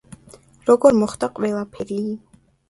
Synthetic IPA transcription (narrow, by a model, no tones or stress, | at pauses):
ɾɔɡɔɾmɔχt̪ʰʼaqʼvɛlˠapʰɛɾi